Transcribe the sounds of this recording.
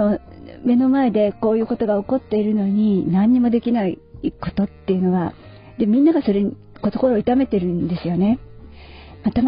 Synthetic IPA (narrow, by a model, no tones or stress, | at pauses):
o | me̞no̞mae̞d̪e̞ko̞ːjɯ̟ːko̞t̪o̞ɡao̞ko̞t̪ːe̞iɾɯ̟no̞ɲ̟inãɲ̟ːimo̞d̪e̞kʲinaiko̞t̪o̞t̪ːe̞jɯ̟no̞ɡa | d̪emʲĩnːaɡaso̞ɾe̞ɲ | kot̪oko̞ɾoːit̪ame̞t̪e̞ɾɯ̟̃nd̪e̞sɨjo̞ne̞ | mat̪a